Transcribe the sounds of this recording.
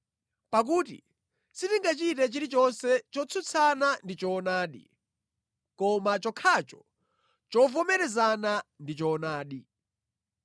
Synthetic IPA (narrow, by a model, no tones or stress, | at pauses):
pak̬uːtḭ | sitiŋɡat͡ʃitɛt͡ʃiɾit͡ʃɔnsɛt͡ʃɔt͡sʰut͡sʰanandit͡ʃɔːnaːɗḭ | kɔmat͡ʃɔkʰat͡ʃɔ | t͡ʃɔvɔmɛɾɛzanandit͡ʃɔːnaːɗi